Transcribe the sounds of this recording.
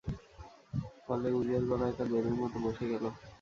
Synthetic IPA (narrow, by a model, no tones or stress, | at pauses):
fɔleud͡ʑaɾbalaet̪ab̪eɾeɾmɔt̪oboʃeɡɛlo